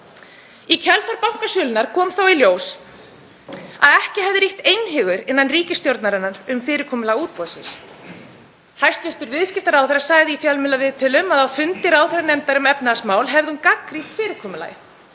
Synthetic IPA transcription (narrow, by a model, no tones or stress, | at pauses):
icʰɛlθaɾpawŋ̥kasjʏːlɪnaɾ̥kʰɔːmθawiljoːws | a̰ðɛhcɪhɛvðɪɾiht̪ejnɦɪɣʏɾɪnːanriːcɪst̪joɾt̪naɾɪnːaɾʏmfɪːɾɪɾkʰɔːmʏlaɣuːt̪̚pɔðsɪ̰ns | hajst̪vɪst̪ʏɾvɪðscɪft̪aɾawθɛɾasaːɣðɪifjalmɪlːavɪðt̪ʰɪlʏmaðawfʏnt̪ɪɾawθɛɾanɛmt̪aɾʏmɛpnasmaːwlɦɛvðɪhunkakriht̪fɪːɾɪɾkʰɔːmʏla̰jɪ